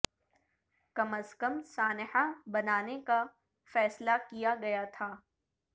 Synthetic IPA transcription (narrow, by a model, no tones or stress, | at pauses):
kɐməskəmsaːnħabɐnaːneka | fɛːslakijaɡɐjat̪ʰaː